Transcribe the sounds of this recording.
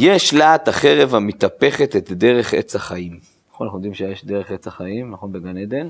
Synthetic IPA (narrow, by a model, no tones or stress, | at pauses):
jeʃlaːt̪aχe̞ʁe̞vamet̪ape̞χet̪et̪de̞ʁe̞χḛt͡saχaim | naχonanaχud̪imʃejeʃdeʁeχet͡saχaimnaχo̞nbeɡaned̪en